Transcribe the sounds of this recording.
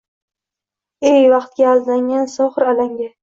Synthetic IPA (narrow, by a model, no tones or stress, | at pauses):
ejvɑqt̪̚ɡʲaːld̪aŋansɒχɨɾalaŋɡʲa